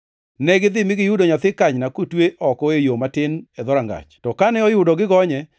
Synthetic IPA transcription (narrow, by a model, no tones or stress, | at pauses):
nɛɡɪd̪ɪmɪɡɪjʊdoɲat̪ɪkaɲnakotweʔɔkɔejomatɪnɛðɔɾaŋɡa̰t͡ʃtɔkanɛɔjʊdɔɡɪɡɔɲɛ